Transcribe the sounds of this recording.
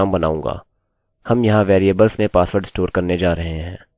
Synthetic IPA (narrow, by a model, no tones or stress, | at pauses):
mbɐna̰ːũːŋ̆ɡa̰ː | hɐmjɐɦãʋɛːɾiebəlsnepaːsʋəɾɖɪsʈoːɾkɐɾned͡ʒaːɾɐɦeɦɛ̃ː